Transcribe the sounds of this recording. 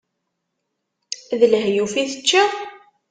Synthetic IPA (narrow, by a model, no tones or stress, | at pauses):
ðələɦjufiθət͡ʃːa